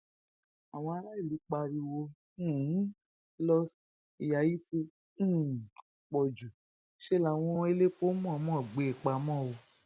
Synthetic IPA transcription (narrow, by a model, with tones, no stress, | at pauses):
a˨w̃ɔ̃˧a˧ɾa˦i˦˨li˨˦k͡pa˧ɾi˧wõ˧˦˨ | lɔ˧s | i˨ja˨˦ji˦sĩ˧˦˨ | k͡pɔ˨d͡ʒu˨ | ʃe˦la˨w̃ɔ̃˧˦e˧le˦k͡po˦mũ˦˨a˨˧mɔ̃˦˨ɡ͡be˨˦e˨k͡pa˨˧˦mɔ̃˦˨o˧